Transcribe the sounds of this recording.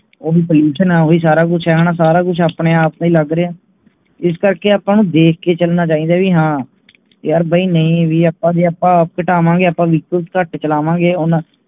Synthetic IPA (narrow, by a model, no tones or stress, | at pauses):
oːiːpəljuːʃənɛːoːiːs̬aːɾaːk̬ʊt͡ʃʰɛɦñãːsaːɾaːk̬ʊt͡ʃʰaːpɽeːaːpnĩːləɡɾeːaː | ɪskəɾkeːaːpːãːnũːd̪eːkʰkeːt͡ʃəlnaːt͡ʃaːĩːd̪aːʋiːɦãː | jaːɾbaiːnəĩːʋiːaːpːãːd̪iːapːãːp̚kəʈaːʋãːŋɡeːaːpːãːʋɪkəlskəʈt͡ʃəlaːʋãːɡeːʊnãː